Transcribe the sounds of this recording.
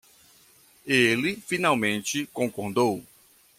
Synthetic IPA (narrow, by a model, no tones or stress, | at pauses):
elɪfinawmẽnt͡ʃɪkõkoɾd̪ow